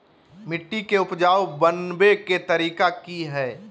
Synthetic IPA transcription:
mɪʈːikeʊpd͡ʒaːwbənbeket̪ɐɾiːkakiɦɛː

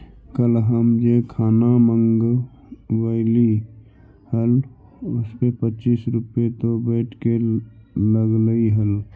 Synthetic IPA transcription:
kəlɦəmd͡ʒekʰaːnamə̃ŋɡ | wəɪli | həl | ʊspepətːt͡ʃiːsɾʊpet̪obɛːʈʰke | ləɡləiɦəl

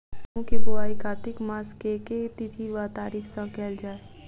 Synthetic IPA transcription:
kũːkibʊaːikʰaːt̪ɪkmaːskeːket̪ɪt̪ʰiʋat̪aːɾiːkʰsãkɛːld͡ʒaːe

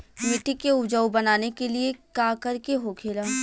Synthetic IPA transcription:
mɪʈikeʊd͡ʒəːubɐnaːnekeliekaːkɐɾkeɦokʰeːlaː

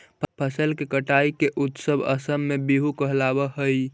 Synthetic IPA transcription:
pʰpʰəsəlkekəʈaikeʔut̪səbʱə̰səmːebiɦukəɦlabəɦəj

